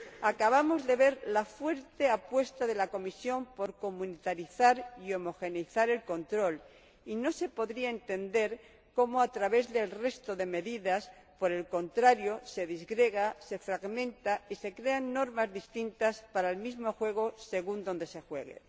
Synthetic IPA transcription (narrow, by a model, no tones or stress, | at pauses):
akaβ̞amo̞zðe̞βe̞ɾlafwe̞ɾt̪e̞apwe̞st̪aðe̞lako̞misjo̞mpo̞ɾko̞mũnit̪aɾiθaɾio̞mo̞xe̞niθaɾe̞lko̞nt̪ɾo̞l | ino̞se̞po̞ðɾiaent̪e̞nd̪e̞ɾ | ko̞moat̪ɾaβe̞zðe̞lre̞st̪o̞ðe̞me̞ðiðaspo̞ɾe̞lko̞nt̪ɾaɾjo̞se̞ðizɣɾe̞ɣase̞fɾaɣmẽ̞nt̪aise̞kɾe̞anːo̞ɾmazðist̪int̪aspaɾaelmizmo̞xwe̞ɣ̞o̞se̞ɣ̞und̪ond̪e̞se̞xwe̞ɣ̞ḛ